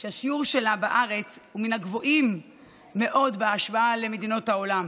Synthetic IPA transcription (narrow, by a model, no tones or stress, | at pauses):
ʃeaʃiuʁʃe̞labaʔaʁe̞t͡shuminaɡvo̞ʔimː | e̞ʔo̞dbeaʃvaale̞me̞dino̞thao̞lam